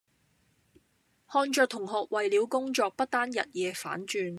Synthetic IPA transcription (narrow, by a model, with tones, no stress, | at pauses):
hɔː˧nt͡ʃœː˧k̚t̪ʰʊ˨˩ŋhɔː˨k̚wɐ˨jliː˨˧˥wkʊ˥ŋt͡ʃɔː˧k̚pɐ˥t̚t̪aː˥njɐ̰˨t̚jɛː˧fa̰ː˨˥nt͡ʃyː˨˧n